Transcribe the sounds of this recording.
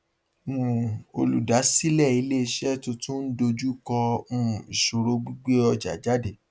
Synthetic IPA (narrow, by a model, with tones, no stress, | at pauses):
m̩˨o˧lṵ˨da˨˦si˦lɛ˦˨i˧le˦˧˦ʃɛ˦˨to˧tũ˦n̩˦do˧d͡ʒu˦kɔ˧mũ˦˨i˨ʃo˨ɾo˧ɡ͡bi˦ɡ͡be˦ɔ˧d͡ʒa̰˨d͡ʒa˨˦de˦˨